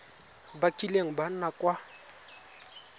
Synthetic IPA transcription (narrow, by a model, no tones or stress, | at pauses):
bakʼileŋ̩ban̩nakʼwa